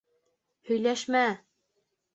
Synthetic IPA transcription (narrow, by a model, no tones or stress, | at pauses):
hɵ̆jlæʃmæ